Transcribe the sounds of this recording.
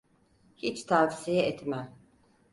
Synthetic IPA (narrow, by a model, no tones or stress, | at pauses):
hit͡ʃt̪ʰafsijɛɛt̪mæm